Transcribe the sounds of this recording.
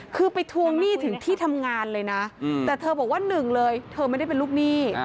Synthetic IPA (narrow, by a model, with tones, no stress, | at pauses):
kʰɯː˧pa˧jt̪ʰu˧əŋniː˥˩t̪ʰɯ˩˦ŋt̪ʰiː˥˩t̪ʰa˧mŋaː˧nlɤː˧jna˦˥t̪ɛː˨˩t̪ʰɤː˧bɔː˨˩k̚waː˥˩nɯ˨˩ŋlɤː˧jt̪ʰɤː˧ma˥˩jda˥˩jpe˧luː˥˩k̚niː˥˩